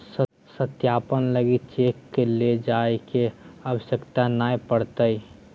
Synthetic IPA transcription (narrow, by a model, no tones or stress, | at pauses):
s | sət̪jaːpənləɡit͡ʃekːeled͡ʒaekeəbəʃəkt̪anaepəɽt̪əi